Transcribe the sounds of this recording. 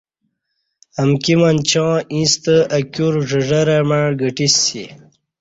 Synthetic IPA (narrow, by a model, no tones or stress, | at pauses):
əmkimant͡ɕɑ̃ĩst̪əɐkjuɾʐəʐəɾamaɻɡəʈisḭ